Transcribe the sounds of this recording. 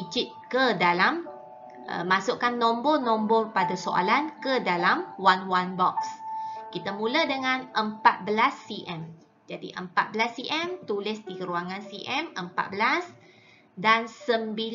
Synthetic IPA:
d͡ʒit̪̚kədalam | ʔə̰masʊʔkanːɔ̃mbɔnɔ̃mbɔrpadasoʔa̰lankədalamwanwanbɔkskit̪amũlədəŋãnʔəmpat̪̚bəlasːiʔɛm | d͡ʒadḭʔə̰mpat̪̚bəlasːiʔɛmt̪ulɪsd̪ikəɾuaŋãnsiʔɛmʔəmpa̰t̪̚bəlas | dansəmbi

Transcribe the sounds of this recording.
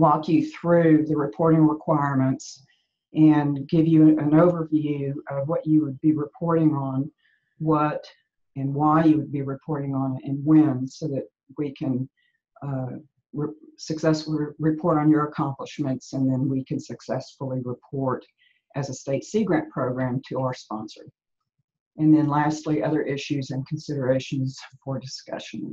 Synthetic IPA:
wɔkʰjɨθɹʉðɨɹɨpʰɔɹɾɪ̃ŋɹɪkʰw̥aɪɹmɨ̃nts | ʔɨ̃nɡɪvjɨɨ̃noʊvə˞vjʉʌvwʌt͡ʃɨwəd̚biɹɨpʰɔɹɾɪ̃ŋə̃n | wʌɾ | ɨ̃nwaɪjɨwɨd̚biɹɨpʰɔɹɾɪ̃ŋə̃nɨɾɨ̃nwɛ̃nsoʊðɨt̚ | wikʰɨ̃n | sɨksɛsfl̩ˠiɹɨpʰɔɹɾn̩jə˞əkʰɑ̃mpləʃmɨ̃ntsɨ̃nðɨ̃nwikʰɨ̃nsɨksɛsfl̩ˠiɹɨpʰɔɹɾ | ʔɨzɨsteɪtsiɡɹæ̃npʰɹ̥oʊɡɹæ̃mtʰɨaʊə˞spɑ̃nsə̰˞ | ɨ̃nðɨ̃nlæstˡliʔʌðə˞ʔɪʃʉzɨ̃nkʰn̩sɪɾə˞eɪʃɨ̃n̩z̥fə˞dɨskʌ̰ʃɨ̰̃n

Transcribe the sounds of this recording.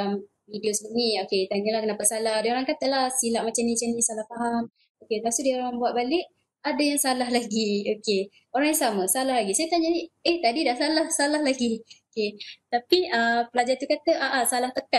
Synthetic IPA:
am | vidiosəbunioket̪aɲalahkənapasalahdaoɾaŋkat̪əlahsilaʔ̚mat͡ʃamnĩt͡ʃamnĩsalahfaɦam | okeasudioɾaŋbuat̪ʔ̚balɪʔ̚ | adajaŋsalaɦlaɡioke | oɾaŋjaŋsaməsalahlaɡisajat̪aɲanieht̪adidahsalahsalahlaɡioket̪apiəpəlad͡ʒajt̪ukat̪əʔaʔasalaht̪əka

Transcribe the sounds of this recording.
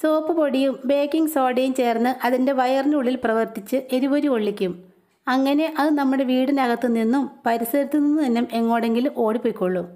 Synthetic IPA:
soːpːɨpo̞ɽijumbe̞ːkːiŋɡsoːɖejumt͡ɕe̞ːrnːɨʔɐðinde̞ʋɐjɐrnuɭːilprɐʋɐrt̪it͡ɕːɨʔe̞ɾubɐɾuoɭːikʲːum | ɐŋːɐne̞ʔɐðɨnɐmːuɽe̞ʋiːɽɨnɐɣɐt̪ːɨninːumpɐɾisɐɾit̪ːuninːɨt̪ɐnːɐme̞ŋːo̞ːɽe̞ŋɡilo̞ːɽipojkːoɭːu

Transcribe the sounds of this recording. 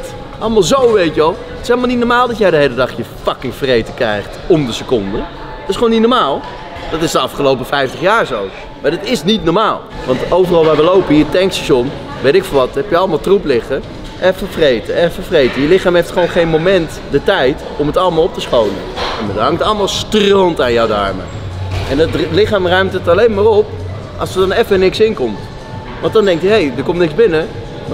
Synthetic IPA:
ʔɑləmaːlˠzowʋejtjəʋɑlˠ | ətɪselˠmalˠnit̚nɔɹmaːlˠdɑtjɛjdəɦejlədɑχjəfɑkɪŋfrejtəkrɛjχtɔmdəsəkɔndə | ətɪsχəʋownːitnɔɹmaːlˠ | d̥ɑtɪsdəɑfχəlowpəfɛjftəχjaːɹzow | madɑtɪsnitnɔɹmaːlˠʋɑntowvərɑlˠʋaːɹʋəlowpəiətɛŋksɛsɔn | ʋejtɪkfɑnʋɑtɦɛpjəɑləmalˠtruplɪχə | ʔɛfəfrejtəɛfəfrejtəjəlɪχaːmejftχəʋownχejnmowmɛnt | dətɛjt | ɔmətɑlˠəmaːlˠɔp̚təsχowlə̰nmadɦɑŋtɑlˠəmaːlˠstrontaːnjawdɑ̰ɹmə̰ | ɛnɑtlɪχaːmrœɥmtətɑlejnmaːrɔp̚ | ʔɑ̰lˠsəɹdɑnɛfənɪksɪŋkɔmt | ʋɑntdɑndɛŋkjəɦejdəɹkɔmtnɪkzbɪnə

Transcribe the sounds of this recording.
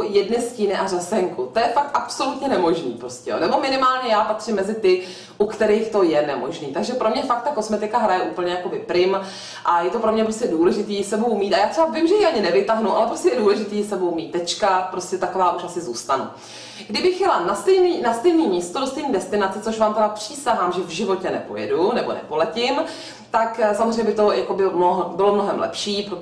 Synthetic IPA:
jɛdnɪsciːnɪʔarɛsɛŋkut̪ojɛfak̚t̪ʔapso̞lut̪ɲɛnɛmo̞ʒnḭːpɾo̞scʲɛ̰jo̰nɛbo̞mɪnɪmaːlɲɛjaːpat̪r̥ɪmːɛzɪt̪ɪ | ʔukt̪ɛɾiːxt̪o̞jɛnɛmo̞̰ʒniːt̪aɡʒɛpɾo̞mɲɛfak̚t̪t̪ako̞smɛt̪ɪkaɦɾajɛʔuːpl̩ɲɛjako̞bɪpɾɪm | ʔajɛt̪opɾo̞mɲɛpɾoscɛduːlɛʒɪt̪iːsɛbuɦumiːt̪ajaːt̪r̥ɛbavɪmʒɛjiʔaɲɪnɛvɪt̪aɦnuʔalɛpɾoscʲɛjɛduːlɛʒɪt̪iːsɛbowmiːt̪̚d̪ɛt͡ʃkatpɾo̞scɛt̪ako̞vaːʔuʃasɪzuːst̪anṵ | ɡdɪbɪxjɛlanast̪ɛjniːnast̪ɛjniːmiːst̪odost̪ɛjniːdɛst̪ɪnat͡sɛt͡so̞ʃvaːmt̪ɛbapr̝̥iːsaɦaːmʒɛvʒɪvo̞cɛnɛpo̞̰jɛ̰dunɛbo̞̰nɛ̰po̞lɛcɪm | t̪aksamozrejɲɛbɪɛt̪o̞jako̞bɪmoɦbɪlomno̞ɦɛmlɛ̰pʃiːpɾo

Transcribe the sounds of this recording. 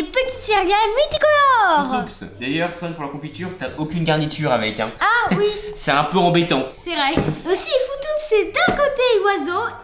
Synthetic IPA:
epət̪i̥t̪sɛʁjalmyt̪ikɔlɔʁupsd̪ajœʁswɛnpuʁlakɔ̃fit̪yːʁt̪yaʔokʲynɡaʁnit̪yʁavɛkɛ̃awisɛt̪ɛ̃pøɑ̃bet̪ɑ̃sɛvʁɛosifut̪ufsɛd̪ɛ̃kot̪ewazo

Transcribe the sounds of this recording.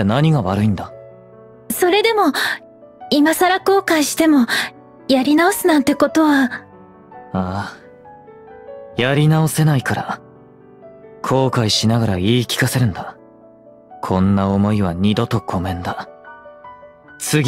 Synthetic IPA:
enaɲ̟iɡaβaɾɯ̟ĩnd̪a | so̞ɾe̞d̪e̞mo̞ | imasaɾako̞ːkaiɕi̥t̪e̞mo̞ | jaɾʲinao̞sɨnãnt̪e̞ko̞t̪o̞βa | a | jaɾʲinao̞se̞naikaɾa | kʰo̞ːkaiɕinaɡaɾaiːkʲi̥kase̞ɾɯ̟̃nd̪a | kʰõ̞nːaomo̞iβaɲ̟id̪o̞t̪o̞kʰo̞mẽ̞nd̪a | t͡sɨɡʲ

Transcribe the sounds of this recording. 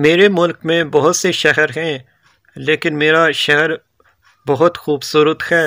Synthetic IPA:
meːɾemʊlkmẽbɐɦʊt̪seʃɐɦəɾɦɛ̃ː | leːkɪnmeːɾaʃɐɦɾ | bɐɦʊt̪xuːbsʊɾət̪hɛː

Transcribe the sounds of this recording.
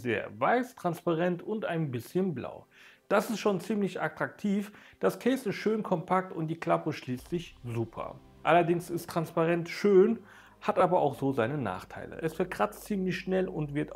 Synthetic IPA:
zḛːɐvaɪstʁ̥anspaʁɛntʰʊntaɪnbɪsçənbla̰ʊ | d̥asɪstʃoːnt͡siːmlɪçatʁ̥ak̚tʰiːf | d̥askʰɛːsɪstʃøːnkʰɔmpʰak̚tʊntd̥iːkl̥apəʃliːstz̥ɪçzuːpʰɐ̰ | ʔalɐdɪŋsɪstʁ̥anspaʁɛntʃøːn | hatʔaːbɐʔa̰ʊxz̥oːzaɪnəna̰ːχtʰa̰ɪlə̰ʔɛsfɛɐkʁ̥at͡stt͡siːmlɪçʃnɛlʊntv̥ɪɐt

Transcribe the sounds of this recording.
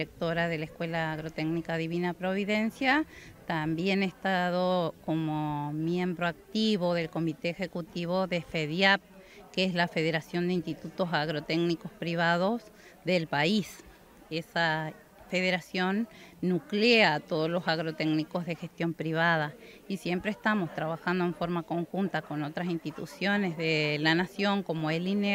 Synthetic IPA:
iɾek̚t̪oɾaðe̞laeskwe̞laːɣɾot̪eɡnikaðiβinapɾoβ̞iðensjat̪ambje̞nest̪aðokomomje̞mbɾoak̚t̪iβoðe̞lko̞mit̪eːxekut̪iβoðefeðjap̚ | keeslafe̞ðeɾasjo̞nd̪einst̪it̪ut̪osaɣɾot̪eɡnikospɾiβ̞að̞os | ðelpais | esa | feðeɾasjonːukleaːt̪oð̞oslosaɣɾot̪eɡnikozðexest̪jo̞mpɾiβað̞a | isjempɾeːst̪amo̞st̪ɾaβaxand̪oeɱfo̞ɾmako̞ŋxunt̪akonot̪ɾasinst̪it̪ṵsjonezðelanasjoŋkomoeline

